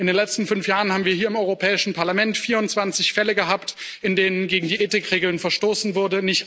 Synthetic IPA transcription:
ʔɪndeːnlɛt͡stn̩fʏnfjaːʁən̩haːbm̩viːɐɦiːɐɪmʔɔʏʁopʰɛːɪʃn̩pʰaɐlamɛntfiːɐʊntt͡sv̥ant͡sɪçfɛləɡəɦaːptʔɪndeːnənɡeːɡŋ̩diːʔeːtɪkʁ̥eːɡl̩nfɛɐʃtoːsn̩vʊɐdənɪçt

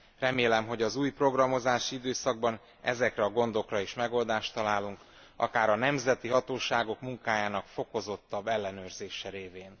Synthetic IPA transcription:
rɛmeːlɛmɦo̞ɟɒzuːjpro̞ɡrɒmo̞zaːʃiid̪øːsɒɡ̚bɒn | ɛ̰zɛkrɛɒɡo̞nd̪o̞krɒiʃmɛɡo̞ld̪aːʃt̪ɒlaːluŋk | ɒ̰kaːɾɒnɛmzɛt̪iɦɒt̪oːʃaːɡo̞kmuŋkaːjaːnɒkfo̞ko̞zo̞t̪ːɒbːɛlːɛnøːrzeːʃɛɾeːveːn

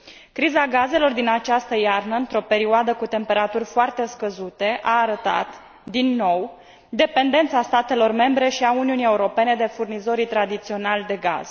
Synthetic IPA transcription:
kɾizaɡaze̞lo̞rd̪inat͡ʃast̪əjarnəɨnt̪ɾo̞pe̞ɾioad̪əkut̪e̞mpe̞ɾat̪urʲfoart̪e̞skəzut̪e̞ʔaːɾət̪a̰t̪ | d̪inːo̞w | d̪e̞pe̞nd̪e̞nt̪sast̪at̪e̞lo̞rme̞mbɾe̞ʃiauniunie̞uɾo̞pe̞ne̞d̪e̞furnizo̞ɾit̪ɾad̪it̪sio̞nalʲd̪e̞ɡa̰z̥

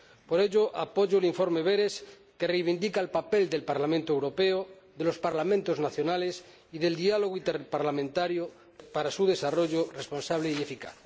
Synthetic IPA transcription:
poɾeʎoʔa̰poʝoeliɱfo̞ɾmeβ̞eɾes | kerejβind̪ikaelpapeld̪e̞lpaɾlamẽnt̪oewɾo̞peo | ðe̞lo̞spaɾlamẽnt̪oznaθjonales | iðe̞ld̪ialoɣ̞oint̪eɾpaɾlamẽnt̪aɾjo | paɾasuðe̞saroʎorespo̞nsaβ̞leiefika̰θ

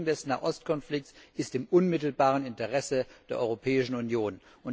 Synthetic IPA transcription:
ŋ̩dɛsna̰ːʔɔstkʰɔnflɪk̚t͡ssɪstɪmʔʊnmɪtl̩baːʁ̞ənɪntəʁɛsəd̥eːɐʔɔʏʁopʰɛːɪʃn̩unjoːn | ʔʊn

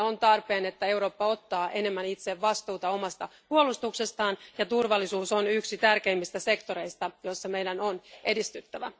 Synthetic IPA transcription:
ont̪ɑrpe̞ːnet̪ːæe̞wɾo̞ːpːɑo̞t̪ːɑːʔe̞ne̞mːænit̪seʋʋɑst̪uːt̪ɑo̞mɑst̪ɑpuolust̪uksest̪ɑːnjɑt̪urʋɑlːisuːsonyksit̪ærke̞imːist̪æse̞kt̪o̞ɾe̞ist̪ɑjo̞sːɑme̞jdænonʔe̞dist̪yt̪ːæʋæ

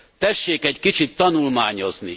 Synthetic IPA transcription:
t̪ɛʃːeːkɛɟkit͡ʃit̪ːɒnulmaːɲo̞zni

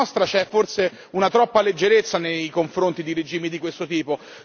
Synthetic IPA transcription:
ɔst̪ɾat͡ʃɛfːorse | unat̪ɾɔpːaled͡ʒːeɾet̪sːanejkoɱfɾont̪id̪iɾed͡ʒiːmid̪ikwest̪ot̪iːpo

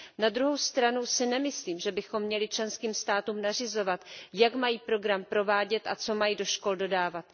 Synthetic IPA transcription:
nad̪ɾuɦo̞wst̪ɾanusɪnɛmɪsliːmʒɛbɪxo̞mːɲɛlɪt͡ʃlɛnskiːmst̪aːt̪uːmnar̝ɪzo̞vat̪jakmajiːpɾo̞ɡɾampɾo̞vaːɟɛt̪ʔa̰t͡so̞majido̞ʃko̞ldo̞daːvat̪̚

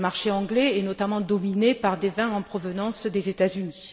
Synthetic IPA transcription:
maʁʃeɑ̃ɡlɛɛnɔt̪amɑ̃d̪ɔminepaʁd̪evɛ̃ɑ̃pχɔvənɑ̃sd̪ezet̪azyni

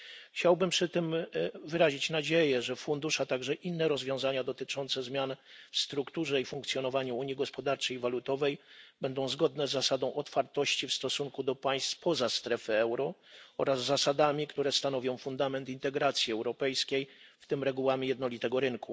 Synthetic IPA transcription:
xt͡ɕawbɘmpʂɘt̪ɘmvɘɾaʑit͡ɕnad͡ʑejɛʐɛfund̪uʂat̪aɡʐɛʔinːɛɾɔzvʲjɔ̃w̃zaɲad̪ɔt̪ɘt͡ʂɔnt̪sɛzmʲjanfst̪ɾukt̪uʐɛifuŋkt̪sʲjɔnɔvaɲuuɲjiɡɔspɔd̪aɾt͡ʂɛjivalut̪ɔvɛjbɛnd̪ɔ̃w̃zɡɔd̪nɛzːasad̪ɔ̃w̃ʔɔt̪faɾt̪ɔɕt͡ɕifst̪ɔsuŋkud̪ɔpaj̃st̪fpɔzast̪ɾɛfɘɛwɾɔɔ̰ɾazːasad̪amʲikt̪uɾɛst̪anɔvʲjɔ̃w̃fund̪amɛnt̪int̪ɛɡɾat̪sʲjiɛwɾɔpɛjskʲejft̪ɘmɾɛɡuwamʲijɛd̪nɔlʲit̪ɛɡɔɾɘnku

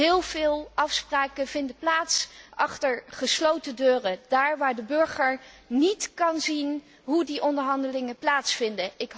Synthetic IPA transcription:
ɦɪːlˠvɪːlˠɑfspraːkənv̥ɪndəplaːtsʔɑχtəɹχəslowtədøːrəd̥aːɹʋaːɹdəbɵɹχəɹnitkɑnzin | ɦudiʔɔndəɹɦɑndəlɪŋəplaːtsfɪndəɪkɦ

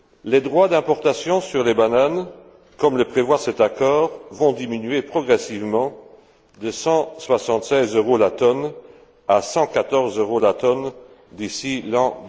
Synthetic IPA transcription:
led̪ʁwad̪ɛ̃pɔʁt̪asjɔ̃syʁlebanan | kɔmləpχevwasɛt̪akɔːʁvɔ̃d̪iminɥepχɔɡʁɛsivmɑ̃ | d̪əsɑ̃swasɑ̃t̪sɛzøʁolat̪ɔn | asɑ̃kat̪ɔʁzøʁolat̪ɔn | d̪isilɑ̃

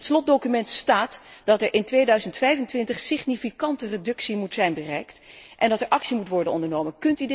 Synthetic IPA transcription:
tslɔt̚dowkymɛntstaːtdɑtɛɹʔɪntʋejdœɥzəntfɛjvəntʋɪntəχsɪχnifikɑntəredɵksimutsɛjnbərɛjktʔɛndɑtɛɹʔɑksimutʋɔɹdənɔndəɹnowmənkɵntydɪ

